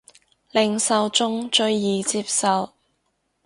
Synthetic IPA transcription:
lɪ˨ŋsɐ˨wt͡sʊ˥ŋt͡ʃɵ˧ɥjiː˨t͡siː˧p̚sɐ˨w

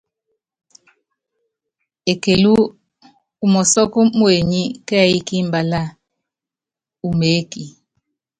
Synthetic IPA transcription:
e˨ke˨lu˦ | u˦mɔ˨sɔ˦kɔ˦mwe˨ɲi˦kɛ˦a˨i˦ki˦m˨ba˨la˦ | u˨me˨˦ki˨

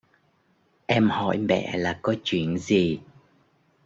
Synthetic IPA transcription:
ʔɛ˧mhɔ̰˧˩˨jmɛ̰˧˨laː˨˩kɔ˨˦t͡ɕwi˧˩˨ənzi˨˩

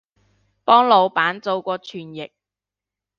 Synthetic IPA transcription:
pɔː˥ŋlo˨˧wpaː˨˥nt͡so˨˧wkʷɔː˧t͡ʃʰyː˨˩njɪ˨k̚

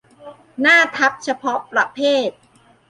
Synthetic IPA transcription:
naː˥˩t̪ʰa˦˥p̚t͡ɕʰa˧pʰɔ˦˥pɾa˧pʰeː˥˩t̪̚

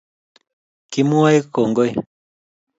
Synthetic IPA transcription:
ki˦mu˦a˦e˦ko˨ŋɡo˦j

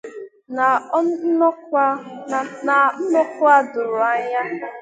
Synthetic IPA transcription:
na˨n̩˦nʊ˦kʊ˦a˦dʊ˨ɾʊ˨a˦ɲa˦

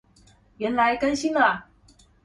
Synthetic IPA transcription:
ɥɛ˨˥nla˨˦ɪkə˥nɕi˥nlɐ˨˩

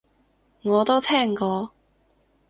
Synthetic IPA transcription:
ŋɔː˨˧t̪o˥wt̪ʰɛː˥˩ŋkɔː˧

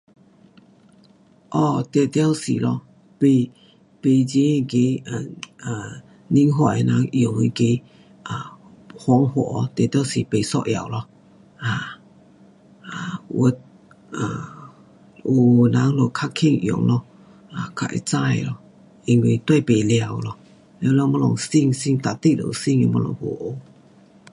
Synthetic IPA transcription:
ʔɔ˧˩t̪e˨˩t̪ja˦wsḭ˨lɔ˧ | pe˧˨ | pe˨d͡ʑe˦i˧ke˧˦a˨a˨˩ | ni˧˥ŋɦwa˧˨e˨nã˨˧˦ŋʔjo˨ŋi˧ke˧˦ | ʔa˨hwɔ˧˦ŋhɔ̰˨ʔɔ˧˦t̪e˨˩t̪ja˦wsi˨pe˨sɔ̰˧ʔja̰˨wlɔ˧ | a˨ | a˨wʔə˧˦t̪̚ | ʔa˨˩ | ʔu˨na˨˧˦ŋlo˧˩˨kʰa˦˥kʰi˧˨ŋʔjo̰˨˩˨ŋlɔ˧ | a˨˩kʰa̰˧ʔḭ˧t͡sa˥˧˨jlɔ˧ | ʔi˧˩ŋwi˧˨t̪we˥˧pe˨lja˨˩˨wlɔ˧˩ | lɛ˧˦˧lɛ˧mɔ˧lɔ˨ŋsi˧˨ŋsi˧˨ŋt̪a˨t̪i˦˧˨lo̰˨si˥˧˨ŋe˧˦mɔ˧lɔ̰˨ŋho̰˨ʔo˧˦

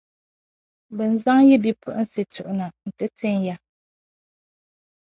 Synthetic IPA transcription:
bɨ˨n˨za˦ŋjɛ˦bi˦pʰu˨ʔn̩˦si˨tʰu˨ʔʊ˨na˨n̩˨tɨ˦tʰɨ˦ŋ˦ja˦

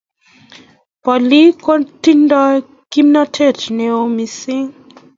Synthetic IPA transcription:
pɔ˨li˦kɔ˦ti˦ndɔ˦ | ki˦mna˦tʰe˦˨t͡ʃne˨o˦˨mi˨si˦ŋ

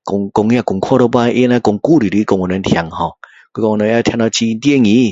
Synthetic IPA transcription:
kɔ˧ŋkɔ˧ŋja˦˧˨ku˨ŋkʰwɔ˦˧ɾo˦pa˦˧˦ʔi˦na˦kʊ˧ŋku˦˨ɾi˨ɾi˧˦kɔ˧ŋɔ˨nə˧nt̪ʰja˨ŋhɔ̃˨ | kwi˧˦kɔ˧ŋ˧˨˧ə˧˦a˦˧t̪ʰja˧na˧˦t͡ɕi˧t̪e˦˨ŋĩ˨˧˦

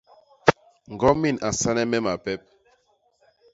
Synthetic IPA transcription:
ŋ˨ɡɔ˦mi˦˨na˨sa˦nɛ˦mɛ˦ma˨pɛ˦p̚

